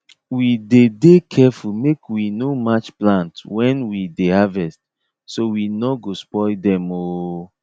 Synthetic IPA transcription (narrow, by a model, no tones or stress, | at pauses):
widedekʰɛfulmekwinomat͡ʃplãntwɛ̃nwidehavɛst̚ | sowinɔɡospɔdɛ̃mo